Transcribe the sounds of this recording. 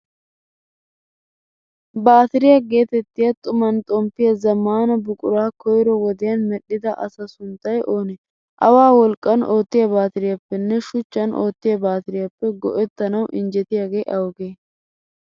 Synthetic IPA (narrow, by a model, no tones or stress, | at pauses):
baːt̪ɪɾɪjɐɡe̞ːt̪ɛt̪ːɪjɐt̪ʼʊmɐnt̪ʼɔmpːɪjɐzɐmːaːnɐbʊkʼʊɾaːkɔjɾɔwɔd̪ɪjɐnmɛɗːɪd̪ɐʔɐ̰sɐsʊnt̪ːɐjʔo̞ːnɛ | ʔɐwaːwɔlkʼːɐno̞ːt̪ːɪjɐbaːt̪ɪɾɪjɐpːɛnːɛʃʊt͡ʃːɐnʔo̰ːt̪ːɪjɐbaːt̪ɪɾɪjɐpːɛɡɔ̰ʔɛt̪ːɐnɐwʔɪnd͡ʒɛt̪ɪjaɡeːʔɐwɡeː